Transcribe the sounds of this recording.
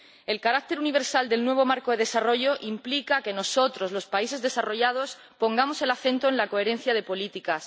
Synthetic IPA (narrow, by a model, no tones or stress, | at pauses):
e̞lkaɾak̚t̪e̞ɾuniβ̞e̞ɾsald̪e̞lnwe̞β̞o̞maɾkoðe̞ð̞e̞saro̞ʝo̞ʔimplikake̞no̞so̞t̪ɾo̞zlo̞spaise̞zðe̞saro̞ʝað̞o̞s | po̞ŋɡamo̞se̞laθe̞nt̪oenlako̞e̞ɾe̞n̟θjað̞e̞po̞lit̪ikas